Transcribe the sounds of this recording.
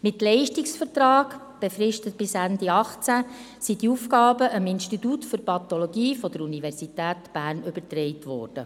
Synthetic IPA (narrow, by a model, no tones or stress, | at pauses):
mɪtlɛɪʃtiksfətrɑːɡ | b̥efɾɪʃtət̚b̥ɪsænd̪iɑχt͡sæ | sid̥iufkɑːbəʔəmɪnʃtitutfʏɾpɑt̪ɔloɡiːfɔd̥̪əɾunivɛɾsit̪æːtb̥æːɾnʏbəɾtrɛɪtʋɔ̰ːrd̥ə̰